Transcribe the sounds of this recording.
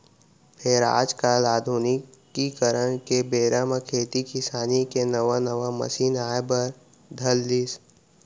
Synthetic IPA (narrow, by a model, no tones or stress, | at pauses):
pʰɪɾa̰ːd͡ʒkaːlaːd̪ʱuːnɪkː | ikəɾəñkebeːɾaːmakʰeːt̪ikɪsaːnikenɐʋanəʋamɐ̰siːnaːjbəɾ | d̪ʱɐld̪is